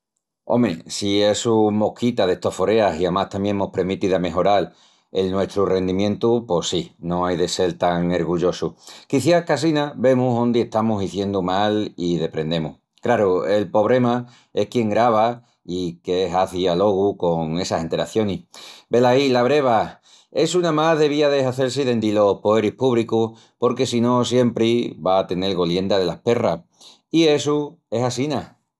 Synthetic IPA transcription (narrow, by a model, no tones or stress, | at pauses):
o̞̰mḛsie̞sumo̞kʰit̪aðe̞ht̪ofo̞ɾe̞asiamaht̪ambje̞ŋemohpɾemit̪iðame̞ɦo̞ɾal | e̞lnwe̞st̪ɾure̞nd̪imjẽ̞nt̪upo̞sino̞ajðe̞se̞lt̪aŋeɾɣuʎo̞sukiθjakas̬inaβe̞muɦond̪ie̞ht̪amusiθje̞nd̪umaliðe̞pɾẽ̞nd̪e̞mṵh | kɾaɾue̞lpo̞βɾe̞ma | e̞hkje̞ŋɡɾaβ̞a | ikeeɦaθialo̞ɣ̞uko̞ŋe̞sahe̞nt̪e̞ɾa̰θjo̞nihbe̞lailaβɾe̞β̞a | e̞sunamaɦðe̞βiaðe̞saθe̞ɾsiðe̞nd̪ilo̞hpoe̞ɾihpuβ̞liku | po̞ɾke̞sino̞sje̞mpɾiβaːt̪e̞ne̞lɣo̞lje̞nd̪að̞e̞lahpe̞ra | ie̞sue̞sasina